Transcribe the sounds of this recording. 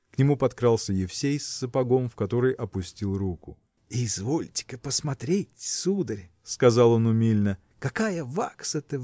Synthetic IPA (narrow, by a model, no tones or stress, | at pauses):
knʲɪmupɐt̪kɾɑlˠsʲəjɪfsʲejsːəpɐɡo̞mfkɐt̪o̞ɾɨjʔɐpʊsʲtʲilˠrukʊ | izvo̞lʲtʲɪ̥kəpəsmɐt̪ɾʲetʲsud̪əɾʲ | skɐzɑlˠo̞nʊmʲilʲnə | kɐkajəvaksət̪ɨ